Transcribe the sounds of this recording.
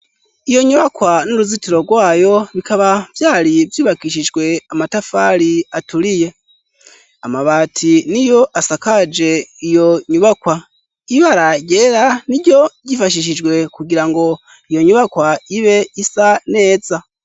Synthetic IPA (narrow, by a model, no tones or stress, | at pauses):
ijo̞ɲuβakwanuɾuzitiɾo̞ɡwaːjo̞βikaβav̥jaːɾivjuːβakiʃ̬id͡ʒɡwe̞amatafaɾiatuɾije̞ | amaβaːtʰinijo̞ʔasakad͡ʒe̞ijo̞ɲuβakwa | iβaɾaɟeɾaniɟo̞ɟifaʃ̬iʃ̬id͡ʒɡwe̞kuɡiɾaŋɡo̞ | ijo̞ɲuβakwaiβe̞isane̞ːza